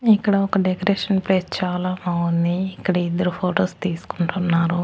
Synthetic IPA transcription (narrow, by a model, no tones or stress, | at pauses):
ikːɐɽɐɔkɐɖekɐɾeːʂɐnpɾest͡ʃaːlaːmawɐnd̪iːkːɐɽɐid̪ːɐɾupʰoːʈoːst̪iːsu̥kuɳʈunːaːɾu